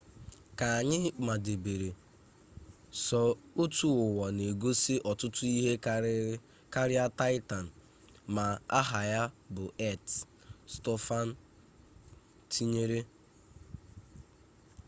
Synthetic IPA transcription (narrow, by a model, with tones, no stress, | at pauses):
ka˨a˨ɲɪ˦ma˨de˨be˨ɾe˨ | sɔ˨o˦tu˨ʊ˨wɔ˨ne˨ɡo˦sɪ˦ʔɔ˨tʊ˦tʊ˦i˦ɦe˦ | ka˦ɾɪ˦a˦ta˦ɪ˦ta˨n̩˨ | ma˨a˦ɦa˨ja˦bʊ˨ɛ˦t | stɔ˦fa˦n̩˦ | tʰi˦ɲe˦ɾe˦